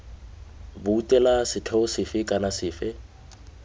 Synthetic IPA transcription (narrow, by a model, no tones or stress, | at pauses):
bʊutʼɛlasɪtʰɔsɪfɪkʼanasɪːfɪ